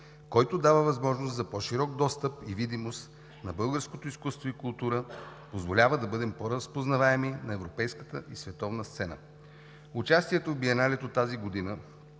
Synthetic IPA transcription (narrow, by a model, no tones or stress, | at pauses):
kɔjt̪od̪avəvɐzmɔʒnoszɐpɔʃiɾɔɡ̚d̪ɔst̪əpivid̪imost̪ | nɐbɤlˠɡəɾskot̪oiskust̪voikʊlˠt̪uɾəpozvolʲavəd̪ɐbɤd̪ɛmpoɾəspoznɐvaɛminɐɛvɾopɛjskə̥t̪əʔisvɛt̪ɔvnəst̪sɛnə̰ | ʊt͡ʃast̪iɛt̪ovbiɛnalɛt̪ot̪ːaziɡod̪inə